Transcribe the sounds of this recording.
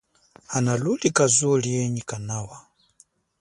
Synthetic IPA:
analulikazulijɛɲikanawa

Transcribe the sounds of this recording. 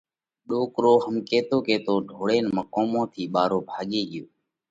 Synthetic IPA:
ɗoːkɾoːɦəmkeːt̪oːkeːt̪oːɖʱoːɽeːnməkoːmõːt̪ʰiːɓaːɾoːbʱaːɠeːɡɪjoː

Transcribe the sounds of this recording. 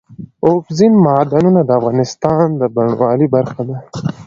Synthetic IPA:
ofzinmɑːd̪anunad̪əafɣɑːnɪst̪ɑnd̪əbaɳwʔɑːlibaɾxad̪a

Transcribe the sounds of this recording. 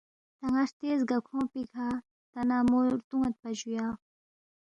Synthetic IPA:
t̪ɐŋɐʂt̪eːzɡɐkʰõːpikʰaː | t̪ɐnaːmoɾt̪uŋɐt̪̚pɐd͡ʑujaː

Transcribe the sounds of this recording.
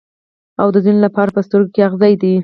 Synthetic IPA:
awd̪əzinelapɑɾapəst̪əɾɡokeaɣzɑjd̪i

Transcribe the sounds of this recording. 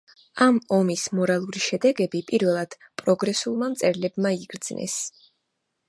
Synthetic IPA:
amɔmismɔɾalˠuɾiʃɛd̪ɛɡɛbipʼiɾvɛlˠad̪̥ | pʼɾɔɡɾɛsulˠmamt̪sʼɛɾlɛbmaiɡɾd̪z̥nɛ̰s

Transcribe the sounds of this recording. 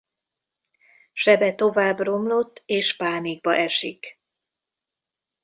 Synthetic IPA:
ʃɛbɛt̪o̞vaːbro̞mlo̞t̪ːeːʃpaːniɡ̚bɒʔɛʃik

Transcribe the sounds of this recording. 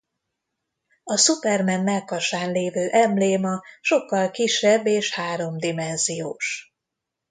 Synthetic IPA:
ɒsupɛrmɛnːɛlkɒʃaːnleːvøːʔɛmleːmɒʃo̞kːɒlkiʃːɛbːeːʃhaːɾo̞md̪imɛnzijoːʃ

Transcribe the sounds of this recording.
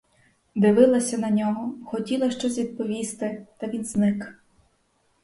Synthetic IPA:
d̪ɪʋɪlˠɐsʲɐnɐnʲɔɦɔxɔtʲilˠɐʃt͡ʃɔs̬ʲʋʲid̪̚pɔʋʲist̪ɪt̪ɐʋʲinznɪk

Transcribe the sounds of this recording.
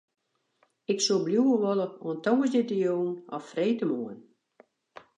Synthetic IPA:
ɪksobljuəʋoləoəntɔŋəzdɪtəjuːnɔfreːtəmuən

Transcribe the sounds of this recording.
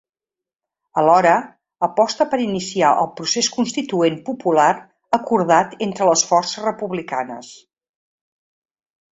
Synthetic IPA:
əlɔɾə | əpɔst̪əpəɾinisiaʔə̰lˠpɾuseskunst̪it̪uenpupulaɾ | əkuɾðat̪ent̪ɾələsfɔrsəzrəpuβlikanə̰s

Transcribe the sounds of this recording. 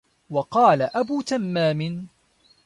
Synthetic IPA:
wɑqɑːlaʔabuːt̪amːaːmɪn

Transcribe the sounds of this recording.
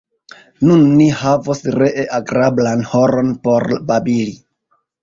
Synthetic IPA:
nunːihavosɾeʔeʔaɡɾablanhoɾo̞npoɾbabili

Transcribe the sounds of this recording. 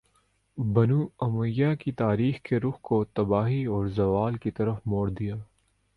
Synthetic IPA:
bɐnuːɐmʊjːakit̪aːɾiːxkeɾʊxkot̪ɐbaːɦiɔːɾzɐʋaːlkit̪ɐɾəfmɔːɽd̪ijaː

